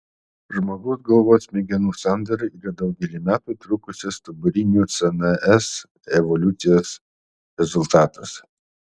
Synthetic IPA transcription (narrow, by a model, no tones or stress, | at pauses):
ʒmoɡɐʊsɡɐlˠʋoːsmʲɛɡʲɛnuːsɑnd̪ɐɾɐiːɾɐd̪ɐʊɡʲɛlʲiːmʲæːt̪uːt̪ɾuːkʊsʲɛst̪ɐbʊɾʲɪnʲuːt̪sɛnɛʔɛs | ɛʋɔlʲʊt̪sʲɪjoːs | ɾʲɛzʊlʲˠt̪ɑːt̪ɐs